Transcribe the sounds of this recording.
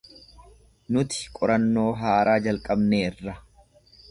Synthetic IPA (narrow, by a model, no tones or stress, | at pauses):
nʊt̪ɪ̥kʼɔɾɐnːo̞ːɦaːɾʔaːd͡ʒɐlkʼɐbneːrːɐ